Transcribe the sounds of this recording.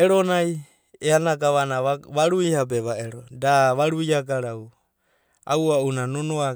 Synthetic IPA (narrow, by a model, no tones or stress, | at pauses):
eɾonaj | eanakaβanaβaɾuihab̬eβaeɾodaβaɾuiakaɾaw | a̰uaunanonoa